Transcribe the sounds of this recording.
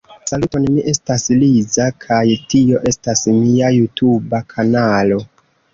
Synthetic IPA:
salutonmiʔe̞staslizakʰajtio̞ʔe̞stasmiajutʰubakʰanalo̞

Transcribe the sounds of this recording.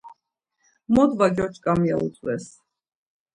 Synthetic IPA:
mɔd̪vaɡjɔt͡ʃʰkʼamia̰ṵsʰʼwɛs

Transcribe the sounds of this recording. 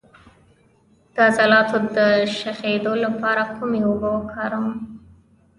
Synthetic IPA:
d̪̥əazalɑt̪od̪əʃaxed̪olapɑɾakʰumeobəwəkʰɑɾəm

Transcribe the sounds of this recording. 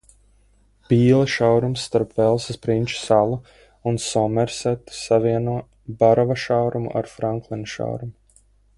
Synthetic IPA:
b̥ʲiːlˠaʃawɾumsːt̪aɾpvɛlˠsaspɾinʲt͡ʃu̥salˠu | unsɔmɛɾsɛt̪saviɛnuɔ | baɾɔvaʃawɾumṵʔa̰ɾfɾaŋklˠɛnd̪ʃa̰wɾumu

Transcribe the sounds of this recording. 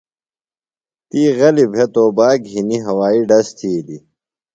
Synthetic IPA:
t̪iːɣɐlibʱet̪oːbaːkɦiniɦɐwaːiɖɐst̪ʰiːli

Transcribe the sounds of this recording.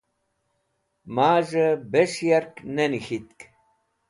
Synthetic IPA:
maːʒəbeʂjaɾknenixit̪k

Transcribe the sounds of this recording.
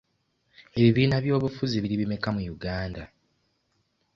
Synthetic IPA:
e̞βiβiːnaβjo̞ːβufuziβiɾiβimekamujuɡaːnda

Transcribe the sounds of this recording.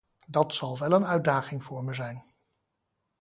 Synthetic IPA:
dɑtsɑlˠʋɛlənœɥdaːχɪŋvʊːɹməzɛjn

